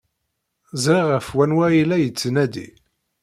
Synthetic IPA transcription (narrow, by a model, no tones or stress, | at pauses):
zɾiʁəfwænwæjilæjət͡sːnæd̪ḭ